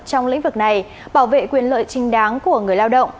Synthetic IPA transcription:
t͡ɕɔ˧wŋ͡mlḭ̈˧˥ŋ̟vɨ˨˩k̚na˨˩j | ɓaː˧˩wvḛ˧˨kwi˨˩ənlə̰ː˧˨jt͡ɕï˨˧˦ŋ̟ɗaː˨˦ŋku˧˩əŋɨ˨˩əjlaː˧wɗə̰˧˨wŋ͡m

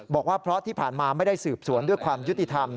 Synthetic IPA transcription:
bɔː˨˩k̚waː˥˩pʰɾɔ˦˥ʔt̪ʰiː˥˩pʰaː˨˩nmaː˧ma˥˩jda˥˩jsɯː˨˩p̚su˨˩˦əndu˥˩əjkʰwaː˧mju˦˥t̪i˧t̪ʰa˧m

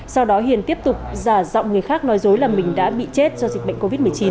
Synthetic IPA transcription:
sa˧wɗɔ˨˦ɦḭ˧˨ənt̪i˦˥əp̚t̪ʊ˨˩k͡p̚zaː˧˩zɔ̰˧˨wŋ͡mŋɨ˨˩əjxaː˦˥k̚nɔ˨˦jzo˨˦jlaː˨˩mï˨˩ŋ̟ɗa̰ː˧˥ɓḭ˧˨t͡ɕe˦˥t̚zɔ˧zi˨˩k̚ɓə̰˧˨jŋko˧vi˦˥t̚m˨˩əjt͡ɕi˨˦n

